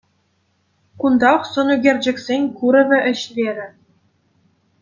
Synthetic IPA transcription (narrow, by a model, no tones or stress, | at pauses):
kund̪ɑχsɤ̆nyɡʲerʲd͡ʑɘ̆ksʲenʲkuɾɘ̆vʲɘ̆ʔɘ̆ɕʋʲeɾʲɘ̆